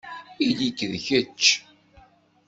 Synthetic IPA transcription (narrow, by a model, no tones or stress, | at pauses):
ilikːðçət͡ʃː